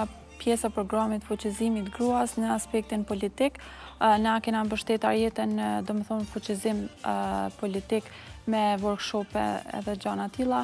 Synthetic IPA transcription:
pjɛsapɾɔɡɾamit̪fut͡ɕizimit̪ɡɾuasnəaspɛk̚t̪inpɔlit̪iknakɛnanbəʃt̪ɛt̪aɾjɛt̪ɛnd̪ɔmɛθɔnfut͡ɕizim | pɔlit̪ik | mɛvɔɾɡʃɔpɛ̰ɛ̰ðɛd͡ʒanat̪ilˠa

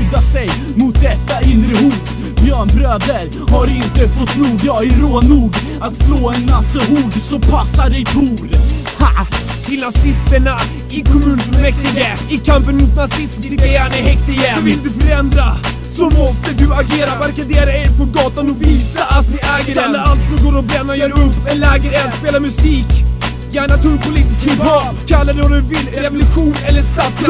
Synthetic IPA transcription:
ʉd̪asɛj | mʊt̪̚d̪ɛt̪ːaɪnɾəhuːd̪ | bjœːɳbɾøːd̪əɾ | haɾɪnt̪əfɔt̪ːnuːɡaɪɾoːnuːɡ | at̪floːɛnnasːəɦuːɡ̪sɔpʰasːaɾɛjt̪ʰuːɾ | ha | t̪ʰɪlnasɪst̪əɳa | ɪkʰɔmʉ̟ːnmɛk̪ɪɡa | ɪkʰampːənmʊt̪nasɪsmɪanhɛkt̪ɪɡavɪld̪ɵfœɾɛnd̪ɾa | sɔmɔst̪əd̪ɵaɡeːɾavæɾkad̪eːɾaeɾpʰɔɡɑːt̪anɔviːsaʔat̪nɪɛːɡəɛlːəalt̪sɔɡoːɾɔbɾɛnːajœːɾaɵpːɛlːɛːɡəɾɛat̪speːlamɵsiːk | jæːɳat̪ʰʉːɾpʰʊliːt̪ɪskʰɛbɔkʰalːad̪ɛɔd̪ɵvɪlːɾɾɛvɔlɵɧuːnɛlːəʂt̪at̪s

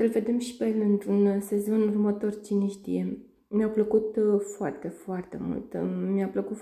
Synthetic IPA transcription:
səlve̞d̪e̞mʃi̥pelɨnt̪ɾunse̞zo̞nurmət̪o̞rt͡ʃiniʃt̪ḭje | mjapləkut̪foart̪e̞foart̪e̞̰mṵlt̪miapləkut̪

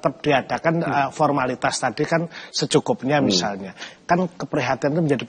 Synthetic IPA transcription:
t̪ap̚d̥iada̤kanəfɔrmalit̪ast̪adikansət͡ʃukʊp̚ɲamisalɲakankəpəɾiɦat̪iant̪uməɲd͡ʒadi

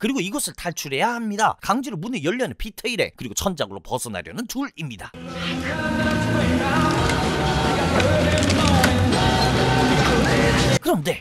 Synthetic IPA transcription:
kɯɾiɡoiɡʌsʰɯɭtaɭt͡ɕʰuɾe̞jahamɲida̰kaŋd͡ʑiɾomunejʌʎːʌnenpʰitʰeiɾe̞̰kɯɾiɡot͡ɕʰʌnd͡ʑaɡɯɾopʌsʰʌna̰ɾjʌnɯntuɾimɲida | kɯɾʌmde̞

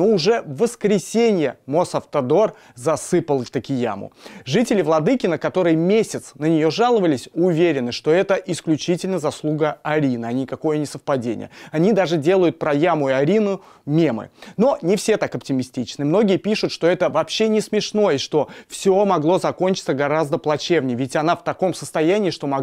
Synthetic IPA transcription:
oʊʐɛvəskɾʲɪsʲenʲɪjəmosɐft̪ɐd̪o̞r | zɐsɨpəlˠt̪əkʲɪja̰mʊ̰ʐɨtʲɪlʲɪvlˠɐd̪ɨkʲɪnəkɐt̪o̞ɾɨjəmʲesʲɪt̪snənʲɪjo̞ʐalˠəvəlʲɪsʲʊvʲeɾʲɪnɨʂt̪o̞ɛt̪əʔɪsklʲʉt͡ɕitʲɪlʲnəzɐslˠuɡəɐɾʲinɨɐnʲɪkɐko̞jənʲɪsəfpɐdʲenʲɪ̰jə̰ɐnʲid̪aʐɨdʲe̞lˠəjʊt̪̚pɾɐjamʊɪɐɾʲinʊ | mʲe̞mɨ̰no̞nʲɪfsʲet̪akɐptʲɪmʲɪsʲtʲit͡ɕnɨmno̞ɡʲɪjəpʲiʂʊt̪ʂt̪o̞ɛt̪əvɐpɕːenʲɪsmʲɪʂno̞jəiʂt̪o̞fsʲomɐɡlˠo̞zɐko̞nʲt͡ɕɪ̥t̪səɡɐɾazd̪əplˠɐt͡ɕe̞vnʲɪjəvʲɪtʲɐnaft̪ɐko̞msəst̪ɐjænʲɪːʂt̪o̞mɐ

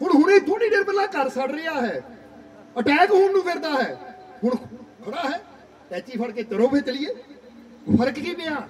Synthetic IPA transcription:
hʊɳɦʊneːd̪uːniːɖeːɾpəlːaːkəɾsəɽɾɪːaːɦɛː | əʈɛːkɦʊːnnũːpʰɪɾd̪aːɦɛːɦʊɳkʰəɽaːɦɛː | t̪ɛːt͡ʃiːpʰəɽkeːt̪əɾõːbet̪lɪjeː | pʰəɾəkkiːpeːãː

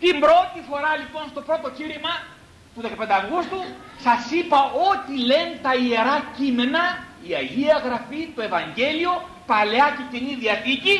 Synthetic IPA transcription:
t̪imbɾo̞t̪ifo̞ɾɐlipo̞nst̪o̞pɾo̞t̪o̞ciɾimɐ | t̪uðe̞kɐpend̪eɐvɣust̪u | sɐsipɐo̞t̪ile̞nt̪ɐie̞ɾɐcime̞nɐ | iɐʝiɐɣɾɐfit̪o̞e̞vɐɲɟe̞lio̞ | pɐleɐcet̪iniðiɐθici

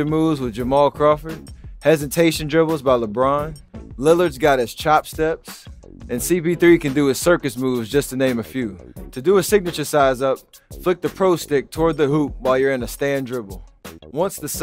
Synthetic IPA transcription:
ə˞muvzwəðd͡ʒəmɔlˠkʰɹ̥ɑfə˞hɛzɨtʰeɪʃɨ̃ndɹɪbl̩ˠzbaɪləbɹɑ̃nlɪlˠə˞dzɡɑɾɨz̥t͡ʃʰɑpstɛps | ɨ̃nsipiθɹikɨ̃ndɨɨz̥sɜ˞kɨsmuvzd͡ʒʌstʰɨnẽɪ̃mɨfjʉtʰɨdɨəsɪɡ̚nɨt͡ʃə˞saɪzʌp̚flɪk̚ðɨpʰɹ̥oʊstɪk̚tʰɔɹd̪̚ðɨɦup̚waɪlˠjə˞ɨ̃nɨstæ̃ndɹɪbl̩ˠwʌ̃nsðɨs

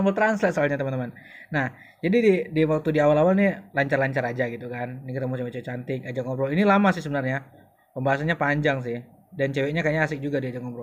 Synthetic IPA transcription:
mbəlt̪ɾanslat̪̚səalɲat̪əmant̪əman | nah | d͡ʒadididiwak̚t̪udiawalawalnilaɲt͡ʃarlaɲt͡ʃaɾad͡ʒaɡit̪ukannikit̪amut͡ʃawɛt͡ʃɛwɛt͡ʃant̪ɪk̚ad͡ʒaŋobɾoinilamasɪhsəbənarɲa | pəmbaɦasanɲapaɲd͡ʒaŋs̬ɪh | dant͡ʃewɛɲakaɲaːsɪk̚d͡ʒuɡadiad͡ʒaŋɔbɾo

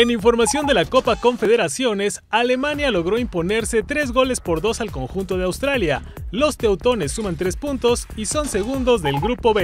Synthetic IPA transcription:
e̞niɱfo̞ɾmasjo̞nd̪e̞lako̞pako̞ɱfe̞ðe̞ɾasjo̞ne̞sale̞manjalo̞ɣ̞ɾo̞impo̞ne̞ɾse̞t̪ɾe̞zɣo̞le̞spo̞ɾðo̞salko̞ŋxunt̪o̞ð̞eawst̪ɾalja | lo̞st̪e̞wt̪o̞ne̞sːumãnt̪ɾe̞spunt̪o̞siso̞nse̞ɣund̪o̞zðe̞lɡɾupo̞βe

